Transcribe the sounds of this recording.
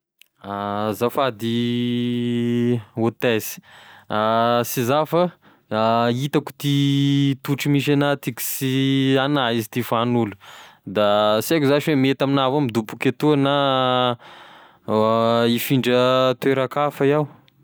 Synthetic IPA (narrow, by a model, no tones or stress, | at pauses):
azafad̪i | ot̪ɛzi̥asizafa | it̪aku̥t̪it̪uʈ͡ʂimiʃ̬anat̪iki̥sianaizit̪ifanulud̪asakʲuzaʃwemet̪aminavamid̪upukʲet̪uana | ifiɳɖ͡ʐət̪weɾakafajaw